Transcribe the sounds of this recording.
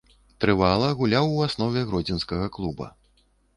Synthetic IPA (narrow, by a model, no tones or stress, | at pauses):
t̪ɾɨvalˠɐɣulʲawuasnɔvʲɛɣɾɔd͡zʲinskɐɣɐklˠubɐ̰